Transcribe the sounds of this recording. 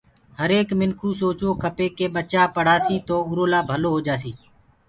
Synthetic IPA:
həɾeːkmɪŋkʰuːsoːt͡ʃoːkʰəpeːkeːɓət͡ʃaːpəɽ̤aːsiːt̪oːʊɾoːlaːbʱəloːɦoːd͡ʒaːsiː

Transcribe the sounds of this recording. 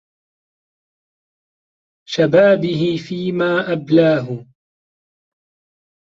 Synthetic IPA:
ʃabaːbɪɦɪfiːmaːʔablaːɦʊ

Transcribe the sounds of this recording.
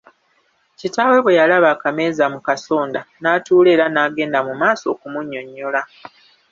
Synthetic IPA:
citaːwe̞βwe̞jalaβaːkame̞ːzamukaso̞ːndanaːtuːle̞ːɾanaːɡe̞ːndamumaːso̞̰ːkumuɲːo̞ɲːo̞la

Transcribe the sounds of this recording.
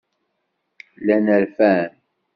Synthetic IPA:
lænəɾfæn

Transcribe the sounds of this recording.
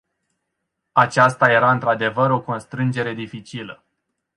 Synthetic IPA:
at͡ʃast̪aje̞ɾaɨnt̪ɾad̪e̞vəɾo̞ko̞nst̪ɾɨnd͡ʒe̞ɾe̞d̪ifit͡ʃilə

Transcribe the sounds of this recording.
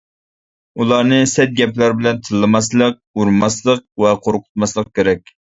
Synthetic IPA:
ulˠɑɾnɨsɛt̪̚ɡʲɛplæɾbɪlɛnt̪ʰɨlˠːɨmɑs̬lˠəq̚uɾmɑslˠəq̚wɛqʰoɾqʰʊ̥t̪mɑslˠəq̚kʲʰeɾɛkʲ

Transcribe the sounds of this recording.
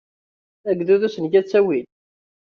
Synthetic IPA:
æɡðuðusənɡæt͡sːæwil

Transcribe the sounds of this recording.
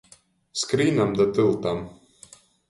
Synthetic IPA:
skɾiːnamd̪at̪ɨlˠt̪am

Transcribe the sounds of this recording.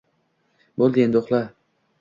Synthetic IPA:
bolˠd̪end̪oχlˠa

